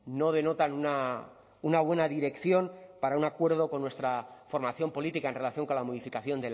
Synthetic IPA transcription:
no̞ð̞e̞no̞t̪anuna | unaβ̞we̞naðiɾe̞kθjo̞npaɾaunakwe̞ɾðo̞ko̞nːwe̞st̪ɾafo̞ɾmaθjo̞mpo̞lit̪ikae̞nre̞laθjo̞ŋko̞nlamoðifikaθjo̞nd̪el

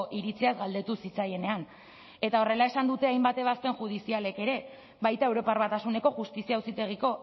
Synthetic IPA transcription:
ʔiɾit͡siazɡald̪e̞t̪usit͡saje̞ne̞an | e̞t̪ao̞re̞lae̞sand̪ut̪e̞ajmbat̪e̞β̞ast̪e̞ŋʝuð̞isiale̞ke̞ɾe̞ | βajt̪ae̞wɾo̞parβat̪asune̞ko̞ʝust̪isiausit̪e̞ɣ̞iko̞

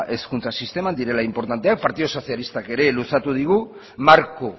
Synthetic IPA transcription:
ʔe̞skunt͡sasist̪e̞mand̪iɾe̞laimpo̞ɾt̪ant̪e̞ak̚paɾt̪iðoso̞sialist̪ake̞ɾe̞lusat̪uð̞iɣ̞u | maɾko

